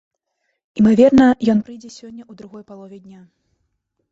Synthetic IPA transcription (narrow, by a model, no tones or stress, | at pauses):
imavʲɛrnɐjɔnpɾɨjd͡zʲɛsʲɔnʲːɐud̪ɾuɣɔjpalˠɔvʲɛd̪ʲnʲa